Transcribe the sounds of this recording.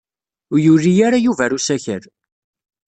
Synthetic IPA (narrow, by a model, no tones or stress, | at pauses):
ʊjurːijaɾajuvæɾusæçə̰ɾ